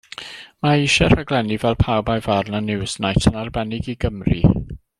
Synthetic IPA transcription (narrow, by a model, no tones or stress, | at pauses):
maiʃɛraɡlˠɛnivɛlˠpʰawbajvarnanɪwsnajtʰənarbɛnɪɡiɡəmrḭ